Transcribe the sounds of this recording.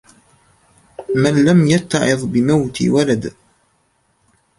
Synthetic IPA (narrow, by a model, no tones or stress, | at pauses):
manlamjat̪ːɑʕɪðˤbɪmawt̪ḭwalad̪